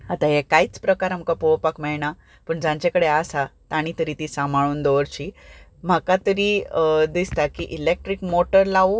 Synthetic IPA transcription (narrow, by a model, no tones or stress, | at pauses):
at̪aɦekaiːt͡spɾəkaɾam̤kapoʋpakmɛɭɳa | pəɳd͡zãɲt͡ɕekəɽeasat̪ãɽ̃it̪əɾiːt̪isãmʱaɭ̃uːnd̪oʋəɾt͡ɕiː | m̤akat̪əɾiːd̪ist̪akiʔilek̚ʈɾikmoʈəɾlaʋu